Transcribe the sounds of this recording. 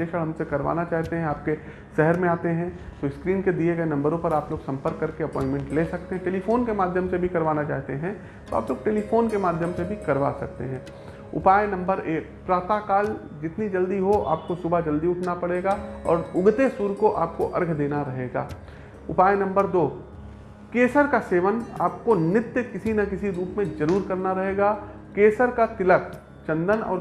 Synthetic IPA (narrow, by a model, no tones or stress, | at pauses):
eːʃəɽɦɐmsekɐɾʋa̰ːnat͡ʃaːɦt̪eɦɛ̃aːp̚ke | ʃɛɦəɾmẽaːt̪eɦɛ̃t̪oɪskɾiːnked̪ieɡɐenɐ̃mbəɾõpɐɾaːploːɡsɐ̃mpəɾkːɐɾkeɐpɔ̃ːɪ̃ɳʈmɛ̃ɳʈleːsɐk̚t̪eɦɛ̃ʈeːlifoːnkemaːd̪ʱjəmsebʱikɐɾʋaːnat͡ʃa̰ːɦt̪eɦɛ̃ | t̪oa̰ːploːɡ̚ʈeːlifʰoːnkemaːd̪ʱjəmsebʱikɐɾʋa̰sɐk̚t̪ḛɦɛ̃ː | ʊ̰paːjenɐ̃mbəɾeːkpɾaːt̪akaːl | d͡ʒɪt̪nid͡ʒɐld̪iɦoʔa̰ːp̚kosʊbʱad͡ʒɐld̪iʊʈʰnapɐɽeːɡaɔ̰ːɾʊɡt̪esuːɾkoʔaːp̚koʔɐ̰ɾɡʱd̪eːnaɾɐɦeːɡa̰ː | ʊpaːjnɐ̃mbəɾd̪oː | keːsəɾkaseːʋəna̰ːp̚konɪt̪jəkɪsinɐkɪsiɾuːpmẽzɐɾuːɾkɐɾnaɾɐɦeːɡaː | keːsəɾkat̪ɪlək | t͡ʃɐ̃nd̪ənɔ̰ːɾ